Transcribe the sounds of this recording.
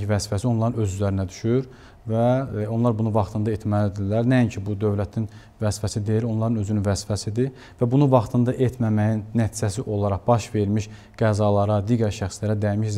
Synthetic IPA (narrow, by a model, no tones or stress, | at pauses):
ivæzfæsio̞nlˠɑɾɯnø̞zyzlæɾinæd̪y̥ʃyɾ | væo̞nlˠɑɾbunuvɑχt̪ʰɯnd̪ɑet̪mælid̪ilːæɾnæiɲcʰibud̪ø̞vlæt̪ʰin | væsfæsid̪e̞jiɾo̞nlˠɑɾɯnø̞zynynvæsfæsid̪i | væbunuvɑχt̪ʰɯnd̪ɑʔet̪ʰmæmæjinːæt̪ʰid͡ʒæsiʔo̞lˠɑɾɑʁbɑʃve̞ɾmiʃ | ɡ̥æzɑlˠɑɾɑd̪iːɟæɾʃæxslæɾæd̪æjmiʃz